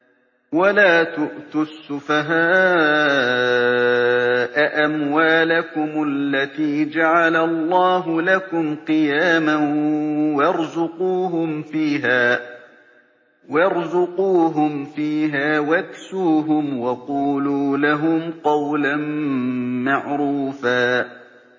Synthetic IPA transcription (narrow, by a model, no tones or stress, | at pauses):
walaːt̪ʊʔt̪ʊsːʊfaɦaː | ʔaʔamwaːlakʊmalːat̪iːd͡ʒaʕalalˤːɑːɦʊlakʊmqɨjaːma | wɑɾzʊquːɦʊmfiːɦaː | wɑɾzʊquːɦʊmfiːɦaːwaksuːɦʊmwɑquːluːlaɦʊmqɑwlan | maʕɾuːfaː